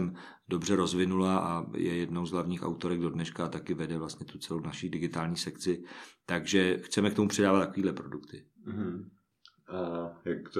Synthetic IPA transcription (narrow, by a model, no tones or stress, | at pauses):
m | do̞br̝ɛɾo̞zvɪnulaʔajɛ̰jɛdnowzɦlavɲiːxa̰wt̪o̞ɾɛɡdo̞dnɛʃkat̪akɪvɛdɛvlast̪ɲɛt̪ut͡sɛlownaʃidɪɡɪt̪aːlɲiːsɛkt͡sɪt̪aɡʒɛxt͡sɛmɛkt̪o̞mupr̝ɛdaːvat̪akoviːdlɛpɾo̞dukt̪ɪɦ̩ | ʔajakt̪